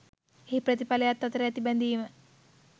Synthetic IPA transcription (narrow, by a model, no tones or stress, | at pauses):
epɾɐt̪ipɐlɐjat̪ːɐt̪ɾeɐt̪ibɐnd̪ijumə